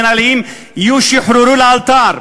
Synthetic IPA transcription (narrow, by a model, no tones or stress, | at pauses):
naliːm | juʃiħɾuɾulaːlt̪aːɾ